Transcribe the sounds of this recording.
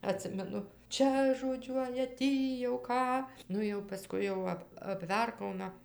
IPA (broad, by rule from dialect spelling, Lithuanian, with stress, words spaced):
ɐˈtʲsʲɪmʲɛnʊ ˈt͡ʃʲɛ ʒoːˈd͡ʒʲuɔjɛ ˈtʲiː jɛʊ ˈkɑː ˈnʊ jɛʊ pɐˈskʊɪ jɛʊ ˈɐp ɐpʲˈʋʲɛrkɐʊnɐ